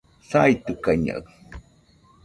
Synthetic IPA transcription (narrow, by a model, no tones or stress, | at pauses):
sajt̪ukaɲa̰ɣ